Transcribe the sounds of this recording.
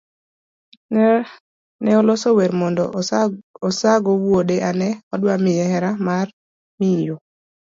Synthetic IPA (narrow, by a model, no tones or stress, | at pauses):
nɛɔlosoweɾmɔndɔ | ɔsaɡowwodeʔanɛɔdwamɪjɛhɛɾamar | mijo